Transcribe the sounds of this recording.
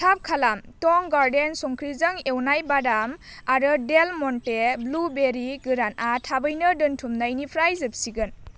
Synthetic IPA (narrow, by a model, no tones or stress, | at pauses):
tʰap̚kʰalamtɔŋɡaɾdensɔŋkʰɾizɯŋewnajbadam | aɾɯdelmɔnteblubeɾiɡɯɾanʔatʰabɯjnɯdɯntʰumnajnipʰɾajzɯp̚siɡɯn